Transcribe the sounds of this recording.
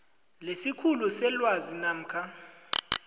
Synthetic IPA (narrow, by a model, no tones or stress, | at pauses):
lesikʰulusɛlwazinam̩kʰa